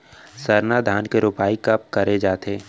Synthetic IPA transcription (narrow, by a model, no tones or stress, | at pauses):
səɾnad̪ʱaːnkeɾʊpaːikɐp̚kɐɾed͡ʒaːt̪eː